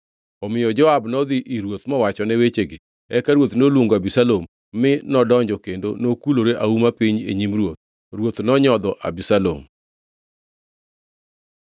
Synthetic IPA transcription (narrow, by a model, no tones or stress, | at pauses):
ɔmɪjɔd͡ʒɔabnɔd̪iʔiɾwot̪mɔwat͡ʃɔnɛwet͡ʃeɡɪ | ɛkaɾwot̪nolwoŋɡoabisalomː | ɪnɔdɔɲd͡ʒɔkendo̰nokuloɾeʔaumapiɲḛɲimɾwot̪̚ | ɾwot̪nɔɲɔd̪ɔʔa̰bisalo̰m